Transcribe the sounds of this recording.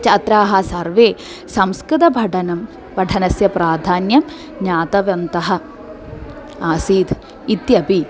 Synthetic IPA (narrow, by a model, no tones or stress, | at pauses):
t͡ʃɐt̪ɾaːɦɐsɐɾʋeː | sɐmskɾɪt̪ɐbʱɐʈʰɐnɐm | ʋɐʈʰɐnɐsjɐpɾaːd̪ʱaːnjɐm | ɲaːt̪ɐʋɐnt̪ɐɦɐ̆ | aːsiːd̪ʰ | it̪jɐpi